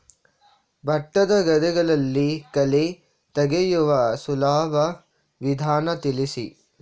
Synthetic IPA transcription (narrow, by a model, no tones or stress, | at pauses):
bʱɐʈːɐd̪ɐɡɐd̪ɛɡɐɭɐlːikɐle | t̪ɐɡejuʋɐsulaːʋɐ | ʋid̪ʱaːnɐt̪ilisi